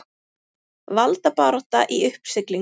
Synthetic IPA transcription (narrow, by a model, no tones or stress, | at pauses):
valt̪apaːɾɔht̪aʔiʏhpsɪkli